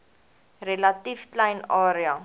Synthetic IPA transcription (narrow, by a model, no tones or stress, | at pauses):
relɐtifklɛjnɑːɾiɐ